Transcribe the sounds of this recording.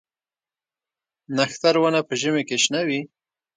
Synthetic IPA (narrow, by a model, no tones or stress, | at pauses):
naxt̪aɾwanapəʒəmekeʃnawi